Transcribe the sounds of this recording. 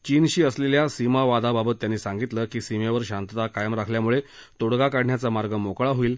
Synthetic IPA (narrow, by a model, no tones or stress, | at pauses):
t͡ɕiːnɕiːəsleljasimaʋad̪ababət̪ːjanːiːsãŋɡit̪ləkiːsimeʋəɾɕant̪t̪akajəmɾakʰljamuɭe | t̪oɽɡakaɽɳjat͡samaɾɡəmokɭaɦoiːl